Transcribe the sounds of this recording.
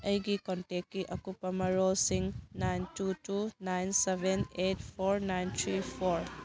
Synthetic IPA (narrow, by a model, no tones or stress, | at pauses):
ɐjɡikɔntekkːiʔɐkupːɐmɐɾolsiŋnajntutunajnsebʱenetpʰoɾnajntʰɾipʰoɾ